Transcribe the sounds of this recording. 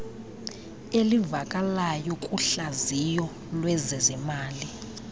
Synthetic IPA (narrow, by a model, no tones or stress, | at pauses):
elivakʼalajɔkʼuɬazijɔ | lwɛzɛzɛmaːli